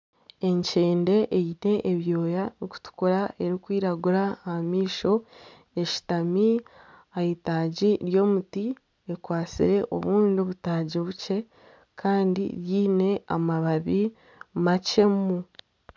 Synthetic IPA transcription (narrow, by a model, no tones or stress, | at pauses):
e̞ɲceːnde̞ʔejine̞ʔeβjo̞ːjaniku̥tu̥kuɾaʔe̞ɾikwiːɾaɡuɾahmiːʃo̞ | e̞ʃi̥tamiajitaːɟiɾjo̞ːmuti | ekwaːt͡sḭɾe̞ʔo̞̰βuːndioβutaːɟiβuce̞ | kʰaːndḭɾjiːne̞a̰maβaβi | mace̞mu